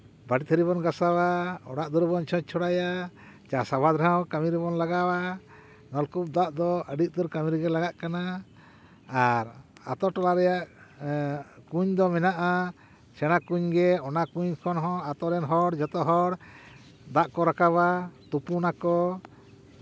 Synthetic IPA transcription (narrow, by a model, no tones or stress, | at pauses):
baɖit̪ʰəɾiβɔnɡasawaɔ̰ɽaʔd̪uɾbɔnt͡ʃʰɔ̃t͡ʃ̚t͡ʃʰɔɽajat͡ʃasabʱad̪ɾãwkamiɾbɔnlaɡawa | ŋɔlkup̚d̪aʔd̪ɔəɖiʔ̚d̪uɾkamiɾɡɛlaɡaʔkanaː | ɾa̰t̪ɔʈɔlaɾɛjaʔ | kuɲd̪ɔmɛnaʔa | t͡ʃɛɽ̃akuɲɡɛɔnakuɲkʰɔnɦɔ̃at̪ɔɾɛnɦɔɽd͡ʒat̪ɔɦɔɽ | d̪aʔkɔɾakaβat̪upunakɔ